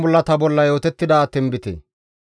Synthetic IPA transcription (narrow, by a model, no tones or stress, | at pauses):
bɔlːɐt̪ɐbɔlːɐjo̞ːt̪ɛt̪ːɪd̪ɐːt̪ːɪnbɪt̪ɛ̰